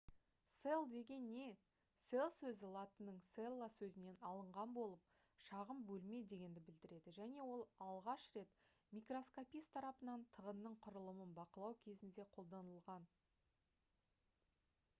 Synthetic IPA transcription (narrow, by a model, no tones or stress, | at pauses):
se̞lˠd̪e̞ɡʲe̞nːe̞ | se̞lˠsɵzɪlˠat̪ənəɴselˠːasɵzɪne̞nɑlˠəɴʁɑnbo̞lˠəp̚ | ʃɑʁəmbɵlme̞jd̪e̞ɡʲe̞nd̪ɪbɪld̪ɪɾe̞d̪ɪʒæne̞wo̞lˠɑlˠʁɑʃɾe̞t̪ | mijkro̞skopijst̪ʰɑɾɑpənɑnt̪ʰəʁənːəɴqʰʊɾəlˠəmənbɑqəlˠɑwkʲʰe̞zɪnd̪e̞qʰo̞lˠd̪ɑnəlˠʁɑn